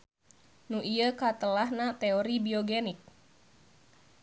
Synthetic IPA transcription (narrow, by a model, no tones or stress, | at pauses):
nuʔiəkat̪əlahnat̪eoɾibioɡenik̚